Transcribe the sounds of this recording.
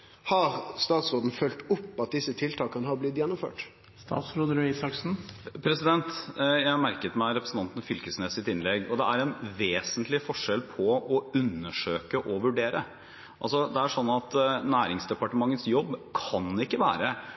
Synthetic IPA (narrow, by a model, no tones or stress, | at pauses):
hɑɾst̪ɑːt̪sɾoːd̪n̩fœlt̪ʊpːɑt̪̚d̪ɪsːət̪ʰɪlt̪ʰɑːkənəhɑːblɪt̪jɛnːɔmfø̰ːʈ | st̪ɑ̰ːt̪sɾoːd̪əɾœisɑksn̩pʰɾɛsɪd̪ɛnt̪jæɪmæɾkət̪mæɾɛpɾəsn̩ɑnt̪ənfʏlkəsneːsɪt̪ɪnlɛɡɔd̪ɛæɾɛnʋeːsənt̪lɪfɔʂɛlpʰɔɔʉnːəʂøːkəʔɔʋʉɖeːɾə | ʔɑlsɔd̪ɛæʂɔnːɑt̪næːɾɪŋsd̪ɛpɑʈəmɑŋːət̪sjɔbːkʰɑnɪkːəʋæ̰ːɾə